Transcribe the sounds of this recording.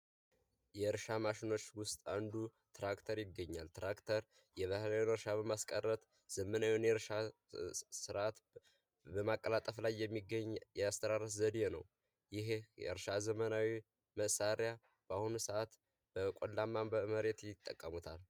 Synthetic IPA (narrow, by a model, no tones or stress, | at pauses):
jɛɾʃamaʃɪno̞t͡ʃːwʊst̪ʼand̪u | t̪ɾakt̪ʰəɾjɪɡːəɲːalt̪ɾakt̪ʰəɾ | jɛβahlaonɨɾʃaβəmaskʼərːət̪ | z̥əmənawionjɛɾʃa | sɨɾʔat̪ | bəmakʼːəlat̪ʼəflajːɛmːiɡːəɲːjɛast̪ʰəɾaɾətzəd̪jenə̰w | jɪhjɛ̰ɾʃazəmənawi | məʔsaɾja | b̥ahunsəat̪ | b̥əkʼolːamːambəməɾe̞t̪jɪt̪ʼːəkʼːəmut̪ʰal